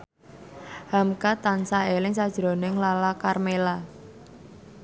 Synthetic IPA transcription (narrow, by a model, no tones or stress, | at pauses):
hamkat̪ansaelɪŋsad̥ʒ̥ɾo̤nɪŋlalakarmela